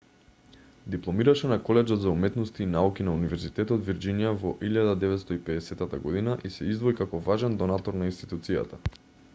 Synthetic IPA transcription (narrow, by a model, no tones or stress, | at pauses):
d̪iplˠɔmiɾaʃɛnakɔlɛd͡ʒɔt̪zaumɛt̪nɔst̪iːnaukinaunivɛɾzit̪ɛt̪ɔd̪viɾd͡ʒinijavɔʔiʎad̪ad̪ɛvɛt̪st̪ɔipɛd̪ɛsɛt̪at̪aɡɔd̪inaʔisɛizd̪vɔikakɔvaʒɛnd̪ɔnat̪ɔɾnainst̪i̥t̪ut̪sija̰t̪a